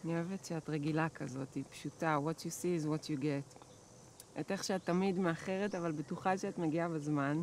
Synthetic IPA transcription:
anioevetʃeatʁeɡilakʰazo̞tipʃutawotjusiːzwotjuɡet | ʔete̞χʃeatːamidmeaχe̞ʁetavalbetuχaʃeatmeɡiabezman

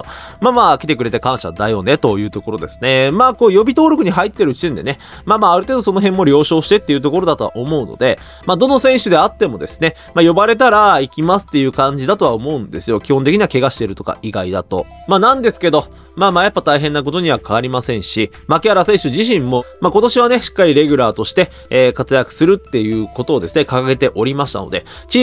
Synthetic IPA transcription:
maːmaːkʲi̥t̪e̞k̬ɯ̟ɾe̞t̪e̞kãɰ̃ɕa̰d̪ajo̞ːne̞t̪o̞jɯ̟ːt̪o̞ko̞ɾo̞d̪e̞sɨ̥ne̞maːkoːjo̞bʲit̪o̞ːɾʲo̞kɯ̟ɲ̟iɦait̪ːe̞ɾɯ̟t͡ɕi̥t̪ẽ̞nd̪e̞ne̞ | maːmaːɾɯ̟t̪e̞ːd̪oso̞noɦẽ̞mːo̞ɾʲo̞ːɕo̞ːɕi̥t̪e̞t̪ːe̞iɯ̟t̪o̞ko̞ɾo̞d̪at̪o̞a̰ʔomo̞ɯ̟no̰d̪e̞ | mad̪o̞no̞sẽ̞ɰ̃ɕɨd̪e̞at̪ːe̞mo̞d̪e̞sɨ̥ne̞ | majo̞baɾe̞t̪̬aɾaikʲimasɨ̥t̪ːe̞jɯ̟ːkãɲ̟d͡ʑid̪at̪o̞aomo̞ɯ̟̃nd̪e̞sɨjo̞kʲihõnt̪ekʲiɲ̟iβake̞ɡaɕi̥t̪e̞ɾɯ̟t̪o̞ka̰iɡaid̪a̰t̪o̞̰ | maːnãnd̪e̞sɨ̥ke̞d̪o̞ | maːmaːjapːat̪aiɦẽ̞nːak̬o̞t̪o̞ɲ̟iβ̞akaβaɾʲimasẽ̞ɰ̃ɕi | makʲeaɾase̞ːɕɨʑiɕ̬ĩmːo̞mako̞t̪o̞ɕiβane̞ɕi̥kːaɾʲiɾe̞ɡʲɯ̟ɾaːt̪o̞ɕi̥t̪e̞ː | kat͡sɨjakɯ̟̥sɨɾɯ̟t̪ːe̞jɯ̟ːko̞t̪o̞ːd̪e̞sɨne̞kakaɡe̞t̪e̞ʔo̞ɾʲimaɕi̥t̪a̰no̞̰d̪e̞ | t͡ɕi

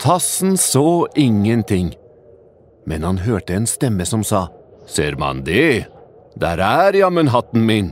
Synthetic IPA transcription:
t̪ʰɑsn̩soːʔɪŋːənt̪ʰɪŋː | mɛnhɑnɦøːʈəɛːnst̪ɛmːəsɔmsɑːseːɾmɑ̰nd̪ɛ | d̪æ̰ːɾæːɾjɑmɛnɦɑt̪n̩mɪn

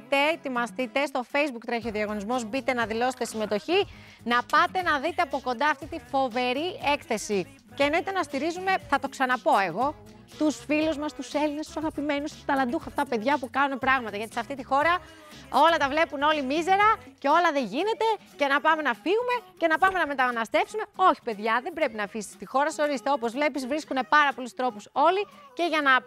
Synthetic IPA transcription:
t̪e̞t̪imɐst̪it̪e̞st̪o̞fe̞jzbukt̪ɾeçoðiɐɣo̞nizmo̞zbit̪e̞nɐðilo̞se̥t̪esime̞t̪o̞çi | nɐpɐt̪e̞nɐðit̪eɐpo̞ko̞nd̪ɐːft̪it̪ifo̞ve̞ɾie̞kθe̞si | cenet̪e̞nɐst̪iɾizume̞θɐt̪o̞ksɐnɐpo̞e̞ɣo̞ | t̪usfiluzmɐst̪use̞line̞st̪u̥sɐɣɐpime̞nust̪u̥t̪ɐlɐnd̪uxɐft̪ɐpe̞ðʝɐpukɐnune̞pɾɐɣmɐt̪ɐʝɐt̪isɐft̪it̪ixo̞ɾɐ | o̞lɐt̪ɐvle̞puno̞limize̞ɾɐce̞o̞lɐðe̞ʝine̞t̪e̞ce̞nɐpɐme̞nɐfiɣume̞ce̞nɐpɐme̞nɐme̞t̪ɐnɐst̪e̞fsume̞o̞çi̥pe̞ðʝɐðe̞mbɾe̞pinɐfisi̥st̪ixo̞ɾɐseo̞ɾist̪eo̞po̞zvle̞pizvɾiskune̞pɐɾɐpo̞lust̪ɾo̞puso̞lice̞ʝɐnɐ

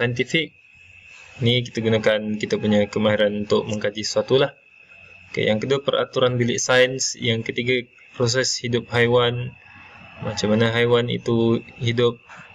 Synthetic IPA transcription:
sajənt̪ifɪk̚ | nik̬it̪aɡunakankit̪apuɲakəmaɦiɾanunt̪ʊk̚məŋkad͡ʒisəsuat̪ulah | ka̰jaŋkəduapəɾa̰t̪uɾanbilɪʔsajənsjaŋkət̪iɡa | pɾos̬ɛshidʊp̚ɦajwan | mat͡ʃamanaɦajwanḭt̪uhidʊp̚

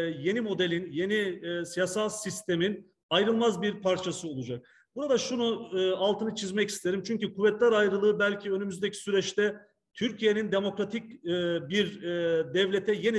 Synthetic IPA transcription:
je̞nimo̞d̪elʲinje̞nisijasalˠsist̪ʰe̞min | ajɾɯlˠmazbiɾpʰaɾt͡ʃʰasɯo̞lˠud͡ʒak̚ | b̥uɾad̪aʃunualˠt̪ɯnɯt͡ʃʰizmɛci̥st̪ʰe̞ɾimt͡ʃʰyɲcykʰuvːɛt̪lʲæɾajɾɯlˠɯːbælʲcʰiø̞nymyzd̪ecʰi̥syɾɛt͡ʃt̪ʰɛ | t̪ʰyɾcʰije̞nind̪e̞mo̞kɾat̪ʰic̚ːbiɾd̪ɛvlʲe̞t̪ʰɛje̞ni

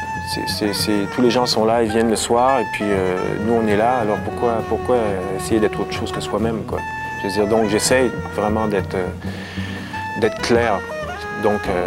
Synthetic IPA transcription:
sɛ̰sɛsɛt̪ʰuleʒɑ̃sɔ̃laevjɛnləswaːʁepɥiønuɔ̃nɛlaːlɔʁpuʁkwapuʁkwaøesejed̪ɛːt̪χoːt̪χʁə̥ʃoːz̥kəswamɛmkwa̰ | ʒ̥ad͡ziːʁd̪ɔ̃kʒesɛjvʁɛmɑ̃d̪ɛt̪χø | d̪ɛt̪χə̥klɛːʁ | d̪ɔ̃kø

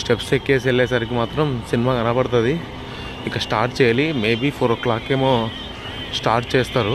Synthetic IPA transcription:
sʈepsekːeːs̬eɭːɛːs̬aːɾik̬imaːt̪ɾɐmsinimaːɡɐnapɐɽɐt̪̬ɐd̪i | ikːɐsʈaːɾʈ̚t͡ʃɛːjɐlimeːbiːpʰoːɾoklaːkːeːmoː | sʈaːɾʈt͡ʃeːst̪aːɾu

